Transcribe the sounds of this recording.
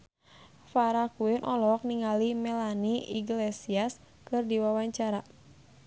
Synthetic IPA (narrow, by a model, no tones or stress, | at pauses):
faɾakuɪnʔɔlɔk̚niŋalimɛlaniʔiɡlɛsias | kɨrdiwawaɲt͡ʃaɾa